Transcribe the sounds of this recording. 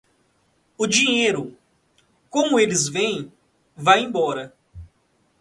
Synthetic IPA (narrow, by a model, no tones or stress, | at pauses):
ʊd͡ʒiɲejɾʊ | kõmʊelɪzvẽj̃ | vajẽj̃bɔɾɐ